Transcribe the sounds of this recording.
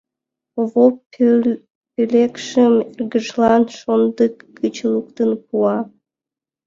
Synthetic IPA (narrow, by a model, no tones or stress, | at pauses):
oβop | pylekʃəmerɡəʒlɑnʃond̪əkːət͡ɕlukt̪ənpuɑ